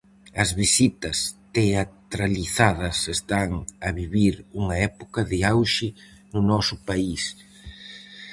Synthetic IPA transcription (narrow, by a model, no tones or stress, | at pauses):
ɐzβisit̪ɐst̪eat̪ɾaliθaðɐsest̪aŋɐβiβiɾuŋɐɛpokɐðɪawʃɪ | nʊnɔsʊpais